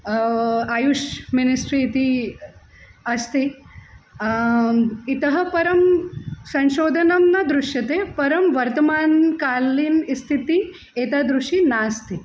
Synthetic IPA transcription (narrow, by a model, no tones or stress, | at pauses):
ajuʂminisʈɾiːt̪i | ɐst̪i | it̪əɦɐpɐɾɐmsɐ̃ʃoːd̪ʱɐnɐmnɐd̪ɾuʂjɐt̪epɐɾɐmʋɐɾt̪əmaːnkaːliːnist̪ʰit̪i | et̪ad̪ɾuʂʈinaːst̪i